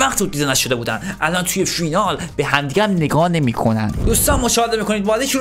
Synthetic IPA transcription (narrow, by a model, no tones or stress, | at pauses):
væxt̪buːd̪ːiːd̪enæʃo̞d̪e̞buːd̪ænʔælʔɒnt̪ʰuːje̞finɒːl | b̥eɦæmd̪iːɡʲææmne̞ɡɒːne̞miːkʰonæ̰nd̪̥d̪ust̪ɒːnmːoʃɒːhed̪e̞miːkʰo̞nid̪bɒːd̪eʃu